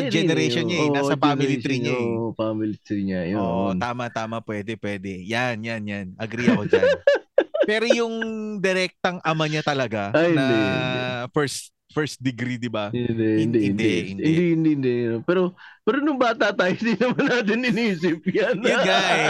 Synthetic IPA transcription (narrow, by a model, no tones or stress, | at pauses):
ɐd͡ʒɛnɛɾɛjʃonɲaaːsɐfaːmɪlɪɾiɲajpamɪlɪt̪ɾiɲajoʔot̪aːmɐt̪aːmɐpwɛːd̪ɛpwɛːd̪ɛjanjanjanʔɐɡɾiijakod͡ʒa | pɛːɾojʊŋd̪ɛɾɛk̚t̪ɐŋʔɐmɐɲat̪ɐlɐɡaahɪnɐd̪ɛ | fɛɹs | fɛɹst̪̚d̪ɪɡɾid̪ɪbaɪnd̪ɛhɪnd̪ɛnd̪ɛhɪnɪnɛd̪ihɪnd̪ihɪnd̪ɛnpɛːɾopɛːɾonʊŋbaːt̪at̪aːjohɪnd̪inɐmanːaːt̪̬ɪnɪniːsɪp̚janɡaʔɛ